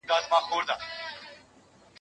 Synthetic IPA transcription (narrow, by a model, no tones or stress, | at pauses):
ɡaːzmãːxoːɾd̪aː